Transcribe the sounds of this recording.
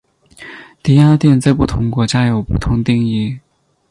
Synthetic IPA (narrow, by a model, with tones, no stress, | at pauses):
t̪i˥a˥t̪jɛ˥˧nt͡sa˥˧ɪpu˥˩t̪ʰʊ˧˥ŋkwɔ˧˥t͡ɕja˥jo˨˩ʊpu˥˩t̪ʰʊ˧˥ŋt̪i˥˧ŋi˥˩